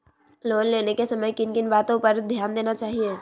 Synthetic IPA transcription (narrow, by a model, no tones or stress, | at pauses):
loːlleːnekesɐməjkɪnkɪnbaːt̪õpəɾd̪ʱjaːnd̪eːnat͡ʃaːɦie